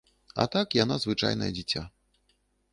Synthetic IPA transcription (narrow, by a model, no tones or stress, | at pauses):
ɐ̰t̪akjanazvɨt͡ʂa̰jnɐ̰jɛd͡zʲit͡sʲa̰